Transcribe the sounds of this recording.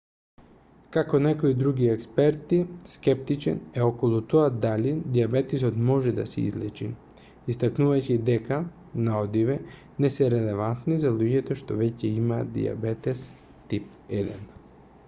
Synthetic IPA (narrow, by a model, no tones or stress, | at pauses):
kakonɛkoid̪ɾuɡiɛkspɛɾt̪iskɛp̚t̪it͡ʃɛ̰nɛokolˠut̪oad̪alid̪iabɛt̪isot̪mɔʒɛd̪a̰sɛḭzlɛt͡ʃḭ | ist̪aknuvajcid̪ɛka | naod̪iʋɛ | nɛsɛɾɛlɛvant̪nizaluɟɛt̪oʃt̪ovɛcɛimad̪ḭa̰bɛt̪ɛs | t̪ip̚ | ɛd̪ɛ̰n